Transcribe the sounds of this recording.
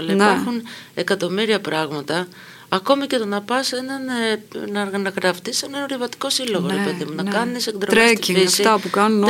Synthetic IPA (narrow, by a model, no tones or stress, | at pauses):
leexune̞kɐt̪o̞miɾiɐpɾɐɣmɐt̪ɐː | ko̞mice̞t̪onɐpɐsenɐnenɐɾɣɐnɐɣɾɐft̪isɐnenoɾivɐt̪i̥ko̞silo̞ɣoɾepe̞ðimunɐkɐnisekðɾoɾest̪iɾisfit̪ɐpukɐnun